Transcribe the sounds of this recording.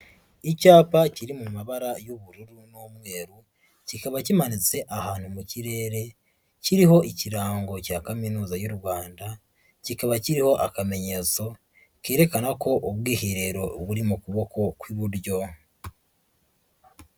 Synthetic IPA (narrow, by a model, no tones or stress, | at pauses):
icaːpaciɾimumaβaɾajoβuɾuɾunomwe̞ːɾu | cikaβacimanit͡se̞ʔahaːn̥humuciɾe̞ːɾe̞ | ciɾiɦo̞ʔiciɾaːŋɡo̞caːkaminuːzajuɾɡwaːnda | cikaβaciɾiho̞ʔakame̞ɲe̞t͡so̞ | keːɾe̞kanako̞ʔoβwiːhiɾe̞ɾo̞βuɾimukuβo̞ko̞kwiβuɾɟo̞